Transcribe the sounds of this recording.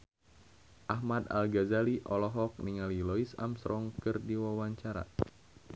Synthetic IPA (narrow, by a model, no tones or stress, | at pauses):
ʔahmad̪a̰lɡazaliʔɔlɔɦɔk̚niŋalilɔisa̰msɾʔɔŋkɨrdiwawaɲt͡ʃaɾa̰